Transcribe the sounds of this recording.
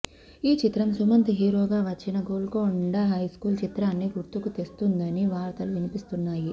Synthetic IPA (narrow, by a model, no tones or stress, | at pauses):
iːt͡ʃit̪ɾɐmsumɐnt̪iɦiːɾoːɡaːʋɐt͡ʃːinɐɡoːlkoːɳɖɐɦɐjskuːlt͡ʃit̪ɾaːnːiɡuɾt̪ukut̪est̪und̪ɐniʋaːɾt̪ɐluʋinipist̪unːaːji